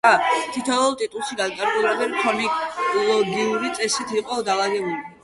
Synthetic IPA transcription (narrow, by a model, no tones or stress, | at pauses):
at̪ʰit̪ʰɔlˠt̪ʼit̪ʼulˠʃiɡad̪k̪ʼaɾɡulˠad̪ɛnkʰɔniklˠɔɡiuɾit̪sʼɛsit̪ʰiqʼɔd̪alaɡɛbuli